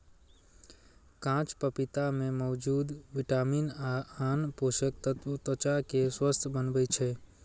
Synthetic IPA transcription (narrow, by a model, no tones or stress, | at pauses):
kãt͡ʃpəpit̪amẽmɔʋd͡ʒud̪ʋɪʈaminaanpoʃək̚t̪ət̪t̪ət͡ʃakeswəst̪ʰbənʋəjt͡ʃʰe